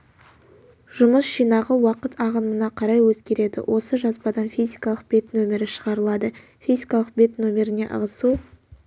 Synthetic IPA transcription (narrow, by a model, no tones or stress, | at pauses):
ʒ̥ʊməsʒijnɑʁəwɑqət̪ɑʁənmənɑqʰɑɾɑjwɵzɡʲe̞ɾe̞d̪ɪ̰wʔo̞səʒɑspɑd̪ɑnfijzʲikɑlˠəq̚b̥e̞t̪nɵmʲe̞ɾɪʃəʁɑɾəlˠɑd̪ə | fʲijzʲikɑlˠəq̚be̞t̪nomʲe̞ɾɪne̞̰ʔə̰ʁəsu